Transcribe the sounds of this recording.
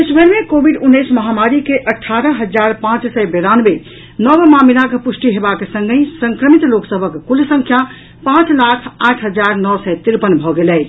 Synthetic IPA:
esbʱəɾmekobʱiɖunːəjsməɦamaɾikeʔəʈʰːaɾəɦəd͡ʒaɾpãt͡ʃsɛbeɾanbe | nɔbmamilakpusʈiɦebakesə̃ŋɡə̃səŋkɾəmit̪loksəbʱəkːulsəŋkʰja | pãt͡ʃlakʰaʈʰɦəd͡ʒaɾnɔsɛt̪iɾpənbʱɔɡelɛj

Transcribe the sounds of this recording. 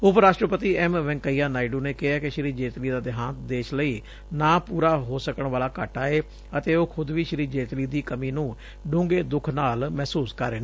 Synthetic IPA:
ʊpɾaːʃʈɾəpət̪iːɛmʋɛ̃ŋkəiːaːnaːiɖuːneːkɪɦaːkɪʃɾiːd͡ʒeːt̪liːd̪aːd̪ɪɦãːnt̪d̪eːt͡ʃləiː | naːpuːɾaːɦoːsəkəɳʋaːlaːkəʈaːeː | ət̪eːoːkʰʊd̪ʋiːʃɾiːd͡ʒeːt̪liːd̪iːkəmiːnũː | ɖʊ̃ːŋɡeːd̪ʊkʰnaːlmɛːsuːskəɾːeːne

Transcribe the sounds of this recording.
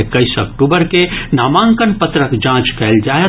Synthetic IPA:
ekəɪsə̰kʈubəɾkenamãŋkənpət̪ɾəkd͡ʒãt͡ʃkɛɪld͡ʒae

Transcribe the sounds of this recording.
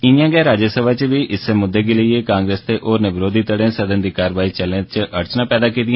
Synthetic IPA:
ɪnjãːɡɛːɾaːd͡ʒəsəbaːt͡ʃbiːʔɪsːemʊd̪ːeːɡeləiekãːŋɡɾeːst̪eːʔoːɾneːʋɪɾoːd̪ʱiːt̪əɽẽːsəd̪ənd̪iːkaːɾʋaːit͡ʃəlẽt͡ʃʔəɾt͡ʃnãːpɛːd̪aːk̬iːd̪ɪĩã

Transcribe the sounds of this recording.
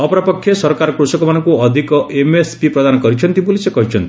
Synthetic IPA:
ɔpɔɾɔpɔkʰːjesɔɾɔkaɾɔkɾusɔkɔmanɔŋkuɔd̪ʱikɔʔemespipɾɔd̪anɔkɔɾit͡ʃʰɔnt̪ibulisekɔɦit͡ʃʰɔnt̪i̥

